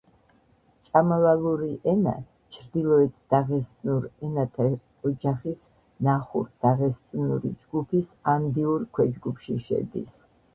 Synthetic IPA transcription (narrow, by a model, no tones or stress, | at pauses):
t͡ʃʼamalalˠuɾiʔɛna̰ | t͡ʃʰɾd̪ilˠɔɛt̪ʰd̪̥aʁɛst̪ʼnuɾɛnat̪ʰa | ɔd͡ʒaχis | naχṵɾd̪̥aʁɛst̪sʼnṵɾḭd͡ʒɡupʰisand̪iuɾkʰwɛd͡ʒɡupʰʃiʃɛ̰d̪ḭs